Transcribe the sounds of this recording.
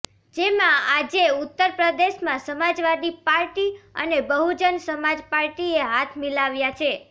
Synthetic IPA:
d͡ʒemãad͡ʒeut̪ːəɾpɾəd̪eʃmãsəmad͡ʒʋad̪ipaɾʈiə̰nebəɦud͡ʒənsəmad͡ʒpaɾʈieɦat̪ʰmilaʋjat͡ʃʰe

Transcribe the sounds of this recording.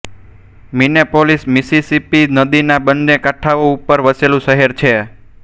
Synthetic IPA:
minepolismisisipinəd̪inabənːekaʈʰaʋoupːəɾʋəselũʃəɦeɾt͡ʃʰe

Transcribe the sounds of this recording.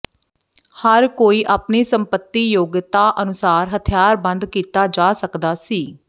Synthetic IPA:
həɾkoːiːʔaːpniːsəmpət̪ːiːjoːɡt̪aːʔənʊsaːɾɦət̪ʰɪjaːɾbə̃nd̪kiːt̪aːd͡ʒaːsəkd̪aːsiː

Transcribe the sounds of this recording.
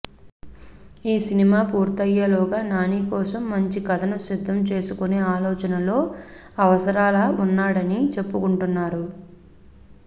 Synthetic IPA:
iːsinimaːpuːɾt̪ɐjːɐlɔːɡaːnaːniːkɔːsɐmːɐɲt͡ʃikɐt̪ʰɐnɐsid̪ʱːɐmt͡ʃe̞ːsukune̞ːaːlɔːt͡ʃɐnɐlo̞ː | ɐʋɐsɐɾaːlɐunːaːɽɐnit͡ʃe̞pːukuɳʈunːaːɾu

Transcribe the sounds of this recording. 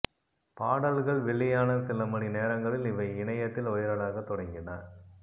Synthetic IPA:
paːɽɐlɣɐɭʋɪɭːɪjaːnɐsɪlɐmɐɳineːɾɐŋɡɐɭɪlɪʋɐɪɪɳɐjɐt̪ːɪlɔjɐɾɐɭaːɣɐt̪ːɔɽɐŋɡɪna̰ːn

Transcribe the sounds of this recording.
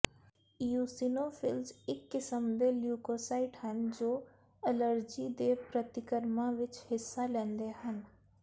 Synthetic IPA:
juːsinofʰɪlzɪkːɪsəmd̪eljuːkoːsaːɪʈɦənd͡ʒoː | ɛləɾd͡ʒid̪eːpɾət̪ɪkəɾmaʋɪt͡ʃhɪsːalẽːnd̪eɦən

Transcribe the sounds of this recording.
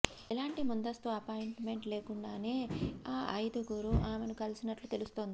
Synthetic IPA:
ilaːɳʈimund̪ɐst̪uɐpaːjiɳʈme̞ɳʈle̞ːkuɳɖaːne̞ːaːʔɐjd̪uɡuɾuʔaːmenukɐlisinɐʈlut̪e̞lust̪oːnd̪i

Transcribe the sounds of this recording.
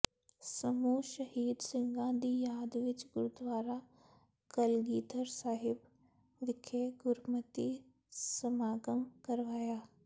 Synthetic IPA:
sɐmuːʃɐhiːd̪sɪ̃ŋɡãd̪iːjaːd̪ʋɪt͡ʃɡʊɾud̪ʋaːɾa | kɐlɡiːd̪əɾsaːɦɪb | ʋɪkʰeɡʊɾmət̪i | sɐmaːɡəmkɐɾʋaːjaː

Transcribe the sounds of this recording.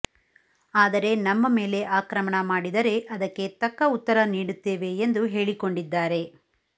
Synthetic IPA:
aːd̪ɐɾe̞nɐmːɐme̞ːle̞ʔaːkɾɐmɐɳɐmaːɽid̪ɐɾe̞ʔɐd̪ɐkːet̪ɐkːɐut̪ːɐɾɐniːɽut̪ːeːʋe̞ːnd̪uɦe̞ːɭiko̞ɳɖid̪ːaːɾe̞

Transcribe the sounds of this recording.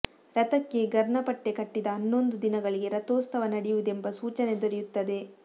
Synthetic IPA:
ɾɐt̪ɐkːe̞ɡɐɾɳɐpɐʈːe̞kɐʈːid̪ɐːnːo̞nd̪ud̪inɐɡɐɭiɡe̞ɾɐt̪oːst̪ɐʋɐnɐɽijuʋud̪e̞mbɐsuːt͡ʃɐne̞d̪oɾijut̪ːɐd̪e̞

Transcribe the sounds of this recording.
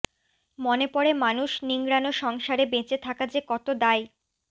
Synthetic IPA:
monepɔɽemanuʃniŋɡɾanoʃɔŋʃaɾebet͡ɕet̪ʰakad͡ʑekɔt̪od̪aj

